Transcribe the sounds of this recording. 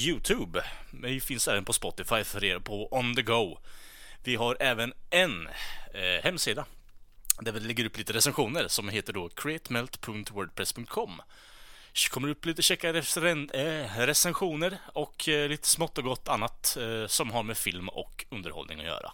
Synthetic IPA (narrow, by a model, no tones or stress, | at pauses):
jʉ̟ːt̪ʰʉːbɛjfɪnsɛːvənpʰɔspɔt̪ːɪfajfœɾeːɾapʰɔʔɔnd̪əɡoʊ | vɪɦaɾʔɛːvənɛn | hɛmːsiːd̪a | d̪ævɛlɛɡːəɾɵpliːt̪əɾɛsɛnɧuːnəɾsɔmɦeːt̪əɖɔkʰɾɛt̪mɛlt̪pʰɵŋt̪wœːɖ̚pʰɾɛspʰɵŋkt̪̚kʰɔmː | kʰɔmːəɖəɵpːliːt̪əɕɛkːaɾɛfɾɛnɾɛsɛnɧuːnəɾɔkʰliːt̪ə̥smɔt̪ːɔɡɔt̪ːanːat̪sɔmɦaɾmɛfɪlmɔ̰kɵnd̪əɾhɔ̰lnɪ̰ŋɔ̰jœ̰ːɾa̰